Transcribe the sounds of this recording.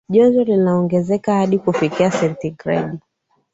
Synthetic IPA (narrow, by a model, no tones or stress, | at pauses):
ʄɔzɔlinaɔŋɡɛzɛkahaɗikufikiasɛntiɡɾɛ̰ɗi